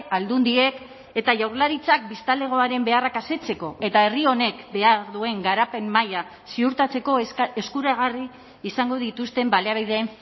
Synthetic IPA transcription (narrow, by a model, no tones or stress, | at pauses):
ald̪und̪ie̞k | e̞t̪aʝawɾlaɾit͡sak̚bist̪ale̞ɣ̞o̞aɾe̞mbe̞arakase̞t͡se̞ko̞e̞t̪ae̞rio̞ne̞kbe̞aɾðue̞ŋɡaɾape̞mːaja | siuɾt̪at͡se̞ko̞eskuɾaɣ̞ariː | saŋɡo̞ð̞it̪ust̪e̞mbaleaβiðeeɱ